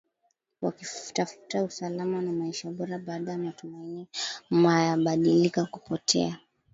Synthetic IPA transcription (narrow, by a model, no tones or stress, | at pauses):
wakifu̥tafu̥tausalamanamaiʃaɓɔɾaɓaːɗajamatumainimajaɓaɗilikakupɔtʰɛ̰a